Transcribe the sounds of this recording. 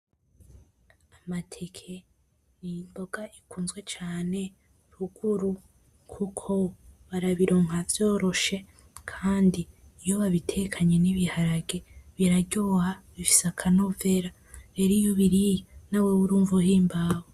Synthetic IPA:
amatʰe̞kʰe̞ | nimbo̞ɡ̥aʔikuːnzɡwe̞t͡ʃaːne̞ | ɾuɡ̥uɾu | kʰukʰo̞βaɾaβiɾo̞ːŋ̥avjo̞ːɾo̞ʃe̞ | kʰaːndijoβaβitʰekʰaɲe̞niβihaɾaɡe̞βiɾaɟohaβifi̥seakʰanove̞ɾa | βeɾijoβiɾijanawewuɾuːɱvuɦiːmbawo

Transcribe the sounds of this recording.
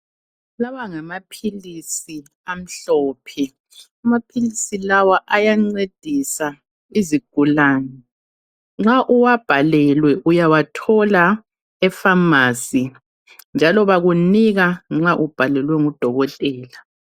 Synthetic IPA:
lawaŋamapʰilisi | am̩ɬɔːpʰɛ | amapʰilisilawaʔajaŋ͡ǀed̥ʱisa | iziɡ̥ʱulaːnɛ | ŋ͡ǁaʔuwab̥ʱalɛlwɛʔujawatʰɔla | ɛfamaːsi | nd͡ʒʱalɔβaɣuniɣaŋ͡ǁaʔub̥ʱalɛlwɛŋud̥ʱɔɣɔtʼɛːla

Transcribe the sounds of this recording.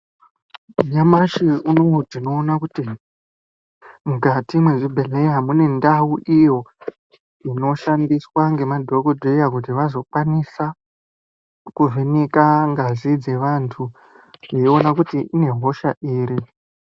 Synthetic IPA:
ɲamaʃiunotino̞ːnakuti | mukatimweʐibʱele̞jamune̞ndauʔijo̞ | ino̞ʃandiswaŋɡe̞madʱo̞kodʱejakut̬iʋazo̞kwanisa | kuʐenikaŋɡazid͡ze̞ʋantʰu | jeonakutiʔine̞ɦo̞ʃaʔiːɾi

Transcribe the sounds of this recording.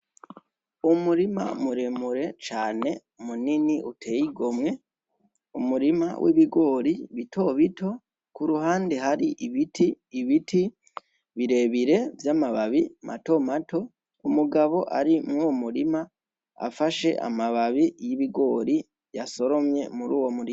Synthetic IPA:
umuɾima̰muɾemuɾe̞t͡ʃaːne̞ | muniniʔutʰe̞ːjiɡo̞mŋe̞ | umuɾima̰wʔḭβiɡo̞ːɾiβitʰo̞βito̞ | kuɾuɦaːndeɦaɾiʔiβitʰiː | βiti | βiɾe̞βiɾe̞vjaːmaβaβimʔa̰to̞mato̞ | umuɡaβo̞ʔa̰ɾimŋoumuɾima | a̰faʃe̞̰ʔa̰maβaβijiβiɡo̞ːɾi | jaso̞ɾo̞mje̞̰muɾuːwo̞muɾima

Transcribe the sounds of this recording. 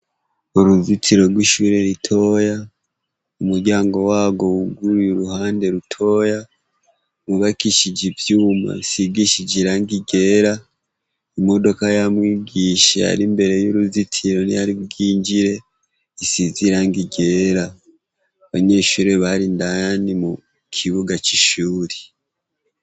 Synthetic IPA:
uɾuzitʰiɾo̞ɾɡwiːʃuɾe̞ɾitʰo̞ja | umuɾɟaːŋɡo̞waːɡo̞uɡuɾujuɾuhaːnde̞ɾutʰo̞ːja | βuβakiʃid͡ʒivjuːma̰siɡiʃid͡ʒiɾaŋɡiɡe̞ɾa | imo̞do̞kajamwiːɡiːʃea̰ɾimbe̞ɾe̞juɾuzitʰiɾo̞nijaɾiβɡiːɲɟiɾe̞ | isiziɾaŋɡiɡe̞ːɾa | βaɲe̞ːʃuɾeβaɾindanimu | kʰiβuɡat͡ʃiʃuːɾe

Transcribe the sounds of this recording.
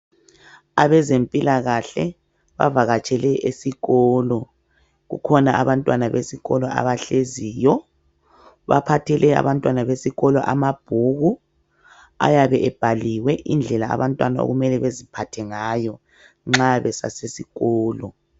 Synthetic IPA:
aβɛzempʼilaɣaɬɛ | βa̰vaɣat͡ʃʼɛlɛʔesiɣɔːlɔ | ɣṵkʰɔnaʔaβantʼwanaβesiɣɔlɔa̰βaɬeziːjɔ | βa̰pʰatʰɛlɛa̰βantʼwanaβesiɣɔlɔʔamab̥ʱuɣu | a̰jaβɛʔɛb̥ʱaliwɛʔind͡ɮʱɛlaa̰βantʼwanao̰ɣumɛlɛβezipʰatʰɛŋaːjɔ | ŋ͡ǁaβɛsa̰sesiɣɔːlɔ

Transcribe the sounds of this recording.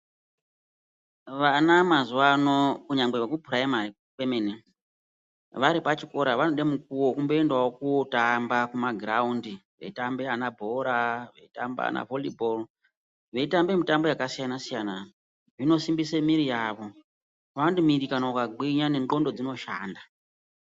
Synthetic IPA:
ʋanamazuwano̞kuɲaŋɡ͡bewekubʱuraema | kwemene | ʋaɾipat͡ʃiko̞ɾaʋanoɗemuk̚uwokumbo̞endaokutambakumaɡraundiʋe̞̰tambeanabʱo̞ɾaʋḛita̰mba̰a̰na̰volibol | ʋe̞itambe̞mitambo̞jakasijanasijana | ʐino̞simbisemiɾijaːʋo̞ | ʋanodimiɾikanaukaɡiɲane̞ŋɡo̞ndo̞d͡zino̞ʃa̰ːnda

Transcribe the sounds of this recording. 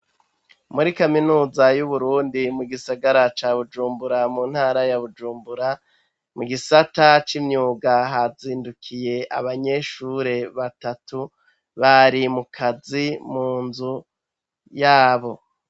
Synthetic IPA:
muɾikaminuːzajuβuɾuːndimuɡisaɡaɾat͡ʃaːβud͡ʒuːmbuɾamuːn̥haːɾajaβud͡ʒuːmbuɾa | muɡisatat͡ʃimɲuːɡaɦaziːndukʰije̞ʔaβaɲe̞ʃuɾe̞βatatu | βaɾimukʰazimuːnzu | jaːβo̞

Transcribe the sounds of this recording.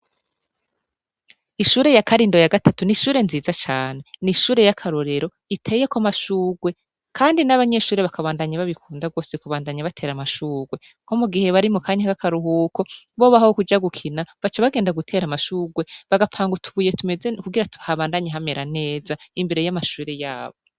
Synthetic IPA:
iʃuːɾe̞jakʰaɾiːndo̞jaɡatatuniʃuːɾe̞nziːzat͡ʃaːne̞niʃuːɾe̞jakʰaɾo̞ɾe̞ɾo̞ | itʰe̞ːje̞kamaʃuːɡwe̞ | kʰaːndinaβaɲe̞ʃuːɾe̞βakaβaːndaɲaβaβikʰuːndaɡwo̞ːsekuβaːndaɲaβatʰe̞ːɾamaʃuːɡwe̞ | ko̞muɡihe̞βaɾimukaːɲakakaɾuɦuːko̞ | βoβahahokud͡ʒaɡukʰinaβat͡ʃaβaɡeːndaɡutʰe̞ːɾamaʃuːɡwe̞βaɡapʰaːŋɡutʰuβuje̞tume̞zekuɡiɾatu̥haβaːndaɲeɦame̞ɾane̞ːzaimbe̞ɾe̞jamaʃuːɾe̞jaːβo̞

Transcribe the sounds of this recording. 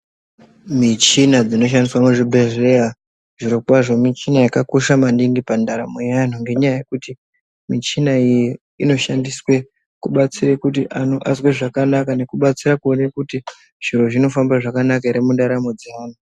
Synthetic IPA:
mit͡ʃinad͡zino̞ʃ̬andiswamuʐibʱe̞ɮea | ʐ̥iɾokwaʐo̞mit͡ʃinajakako̞ʃamandiŋɡipandaɾamo̞jan̤oŋɡe̞ɲajajekuti | mit͡ʃinaiji | ino̞ʃandiswe̞ | kuɓat͡sirekut̬iʔano̞ʔasweʐakanakane̞kuɓat͡sirakuonekuti | ʐ̥iɾo̞ʐino̞fambaʐakanakaiɾimundaɾamo̞d͡zaːn̤o

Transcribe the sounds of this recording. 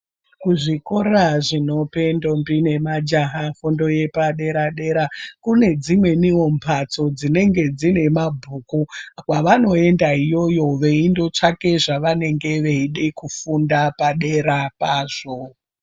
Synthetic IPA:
kuʐiko̞raʐino̞pe̞ndo̞mbine̞mad͡ʒaɦafondo̞je̞paɗe̞ɾaɗe̞ɾakune̞d͡zimwe̞nio̞mpʰat͡so̞d͡zine̞ŋɡe̞d͡zine̞mabʱuːkukwaʋano̞e̞ndaijo̞jo̞ʋeindo̞t͡ʂake̞ʐaʋane̞ŋɡe̞ʋeiɗekufundapaɗe̞ɾapaːʐ̥o

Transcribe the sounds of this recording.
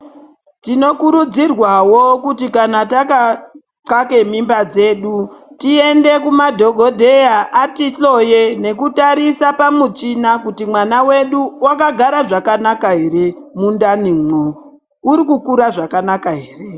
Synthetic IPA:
tino̞kuɾud͡zirwawo̞kutikanataka | ǀake̞mimbad͡ze̞ːɗutie̞nde̞kumadʱo̞ɡʱo̞dʱe̞jaʔatiɬo̞je̞ne̞kutaɾisapamut͡ʃinakutimwanawe̞ɗuwakaɡʱaɾaʐakanakaɦe̞ɾe̞mundanimo | uɾikukuɾaʐakanakaɦeːre̞

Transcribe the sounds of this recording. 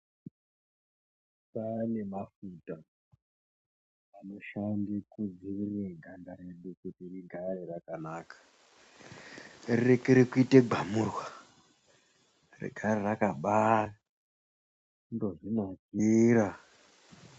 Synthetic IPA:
pane̞mafuta | ano̞ʃandikud͡ziirireɡʱandaɾeɗukutiriɡʱarirakanaːkḁ | rirekeɾekuite̞ɡʱamurwa | rḭɡʱarerakaɓa | ndo̞ʐinaɡiːɾa

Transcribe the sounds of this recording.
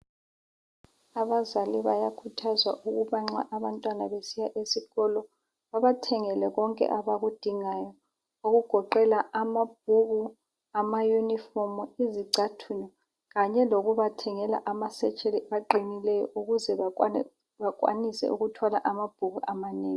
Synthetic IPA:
aβazaliβajakʰutʰazwaʔuɣuβaŋ͡ǁa̰ʔaβantʼwanaβesijaʔesiɣɔlɔ | βaβatʰɛŋɛlɛɣɔŋkʼɛ̰ʔaβaɣud̥ʱiŋajɔ | oɣuɡ̥ʱɔǃɛlaamab̥̚ʱuɣu | amajunifɔmɔiziǀatʰunɔ | ɣaɲɛloɣuβatʰɛŋɛla̰ʔamasɛt͡ʃʼeliaǃinilɛjɔ̰ʔuɣuzɛ | βakʼwa̰nisɛ̰ʔṵɣutʰwalaʔamab̥̚ʱuɣuamaneːŋii

